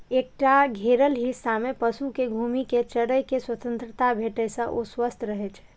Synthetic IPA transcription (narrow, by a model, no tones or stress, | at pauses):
ek̚ʈaɡʱeɾəlɦɪsːamepəsukeɡʱuːmiket͡ʃəɾəjkeswət̪ə̃nt̪ɾət̪abʱeːʈɛsə̃ʔoswəst̪ʰɾəɦɛt͡ʃʰɛ̥